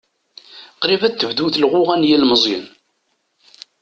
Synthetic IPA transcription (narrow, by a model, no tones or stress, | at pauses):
qɾivæθːəvd̪uθlʁʊʁænjilməzˤjə̰n